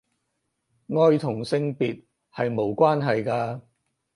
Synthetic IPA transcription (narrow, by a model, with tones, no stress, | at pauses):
ŋɔː˧jt̪ʰʊ˨˩ŋsɪ˧ŋpiː˨t̚ | hɐ˨jmo˨˧wkʷaː˥nɦɐ˨jkaː˧